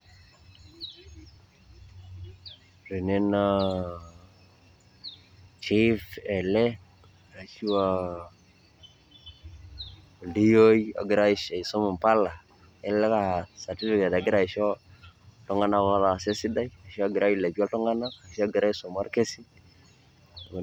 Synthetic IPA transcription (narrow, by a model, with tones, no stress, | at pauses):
ri˨ne˦na˦ | t͡ʃi˦fɛ˨lɛ˦ | a˨ʃi˦wa˨ | ldi˦jo˦i˦a̰˨ɡɪ˨ɾa˦i˦ʃa˨i˨so˦mu˨mpa˦la˨ | ɛ˦lɛ˦ka˨sa˨ti˦fi˦ka˨da˨ɡɪ˦ɾa˨i˨ʃɔ˦ | tɔ˦ŋa˦na˦ka˦ða˨se˦si˦da˦ja˨ʃi˦a˦ɡɪ˨ɾa˦ji˨le˨bi˦ɔ˦ltɔ˦ŋa˦na˦a˨ʃa˦ɡi˨ɾa˦i˦so˨ma˦ɾke˦si˦˨